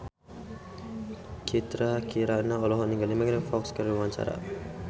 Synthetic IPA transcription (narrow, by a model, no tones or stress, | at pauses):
kit̪ɾakiɾanaɔlɔɦɔniŋɡəlimaɡɾɛŋfɔkskəɾumaɲt͡ʃa̰ɾa̰